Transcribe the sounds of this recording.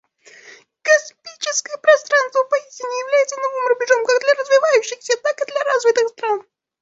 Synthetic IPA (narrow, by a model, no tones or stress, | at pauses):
kɐspʲit͡ɕɪskəjəpɾɐst̪ɾanst̪vəpɐisʲtʲɪnʲɪjɪvlʲæjɪt̪sənovɨmrʊbʲɪʐomkaɡd̪lʲɐɾəzvʲɪvajʉɕːɪxsʲət̪akɨd̪lʲɐɾazvʲɪt̪ɨxst̪ɾan